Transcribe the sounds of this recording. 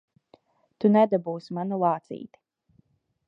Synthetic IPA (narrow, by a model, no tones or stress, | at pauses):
t̪unɛd̪abuːsmanulˠaːt̪sḭːt̪i̥